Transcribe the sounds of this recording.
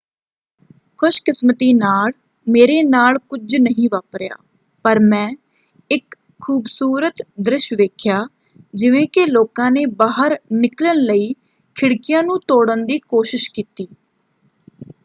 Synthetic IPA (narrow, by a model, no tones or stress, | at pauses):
kʰʊʃkɪsmət̪iːnaːl | meːɾeːnaːlkʊd͡ʒnəɦĩːʋaːpɾja̰ː | pəɾmɛ̃ː | ɪkʰː | uːbsuːɾət̪d̪ɾɪʃʋeːkʰɪjaː | d͡ʒɪʋẽːkeloːkãːneːbaːɦəɾnɪklənləiː | kʰɪɽkɪjãːnũːt̪oːɽənd̪iːkoːʃɪʃkiːt̪iː